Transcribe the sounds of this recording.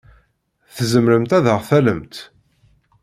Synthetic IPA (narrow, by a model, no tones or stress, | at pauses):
θəzəmɾəmt̪æðəʁθæləmt̪